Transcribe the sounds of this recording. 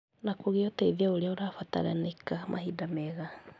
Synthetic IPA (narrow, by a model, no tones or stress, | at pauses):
nakoɣeotɛiðiaoɾeaoɾafata̰ɾa̰nekamʔa̰hidamɛɣa